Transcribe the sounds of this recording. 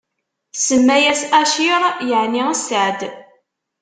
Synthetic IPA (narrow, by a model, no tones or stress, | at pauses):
səmːæjæsæʃiɾˤjəʕniəsəʕd̪